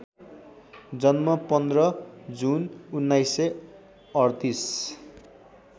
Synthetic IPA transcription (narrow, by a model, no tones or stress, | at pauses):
d͡zʌnmʌpʌnd̪rʌd͡zununːajse | ʌrt̪is